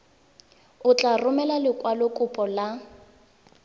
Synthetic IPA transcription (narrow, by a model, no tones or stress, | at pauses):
ʊt͡ɬʼarʊmɛlalɪkʼwalɔkʼʊpʼɔla